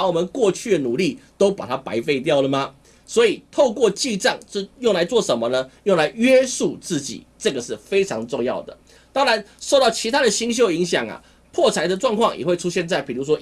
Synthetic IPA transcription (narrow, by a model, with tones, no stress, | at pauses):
wɔ˨˩mə˦nkwɔ˥˧t͡ɕʰy˥˩d̪ə˩nu˨˩li˥˩t̪o˥ʊpa˨˩t̪ʰa˥pa˧˥ɪfe˥˧ɪt̪jɑ˥˩ʊlə˩mɐ˨ | swɔ˧˥i˨˩t̪ʰo˥˧ʊkwɔ˥˧t͡ɕi˥˧ʈ͡ʂɑ˥˩ŋʂɻ̩˥˧jo˥˩ŋla˧˥ɪt͡swɔ˥˩ʂə˧˦nmə˧nə˧jo˥˩ŋla˧˥ɪɥɛ˥su˥˧t͡sɹ̩˥˩t͡ɕḭ˨˩˦ʈ͡ʂɤ˥˩ɡə˩ʂɻ̩˥˩fe˥ɪʈ͡ʂʰɑ˧˥ŋʈ͡ʂʊ˥˧ŋjɑ˥˩ʊd̪ə̰˩ | t̪ɑ˥ŋɻa˧˦nʂo˥˧ʊt̪ɑ˥˩ʊt͡ɕʰi˧˥t̪ʰa˥d̪ə˨ɕi˥ŋɕ̬jo˥˧ʊi˧˥ŋɕjɑ˨˩ŋɐ̰˩ | pʰwɔ˥˩t͡sʰa˧˥ɪd̪ə˨ʈ͡ʂwɑ˥˧ŋkʰwɑ˥˩ŋjɛ̰˨˩we˥˩ɪʈ͡ʂʰu˥ɕjɛ˥˧nt͡sa˥˩ɪpi˨˩ɻu˧˥ʂ̬wɔ˥